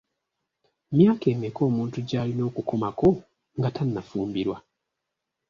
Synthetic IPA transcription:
mjaːke̞ːmeko̞ːmuːntuɟaːlino̞ːkuko̞mako̞ | ŋɡatanːafuːmbiɾwa

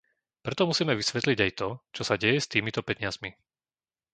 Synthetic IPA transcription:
pɾɛt̪ɔmusiːmɛʋisʋɛt̪liɟajt̪ɔt͡ʃɔsaɟɛjɛst̪iːmit̪ɔpɛɲɪazmi

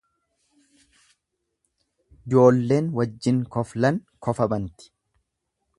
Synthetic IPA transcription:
d͡ʒo̞ːlːe̞ːnwɐd͡ʒːɪŋkɔflɐŋkɔfɐbɐnt̪ɪ̥

